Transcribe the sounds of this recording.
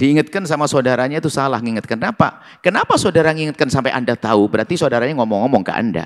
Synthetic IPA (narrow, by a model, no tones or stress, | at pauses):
d̥iːŋat̪̚kansamasodaɾaɲait̪usalahŋiŋət̪̚kannapa̰ | kənapasodaɾaŋiŋət̪̚kansampajʔa̰ndat̪aubəɾart̪isodaɾaɲaŋɔmɔŋːɔmɔŋka̰a̰nda̰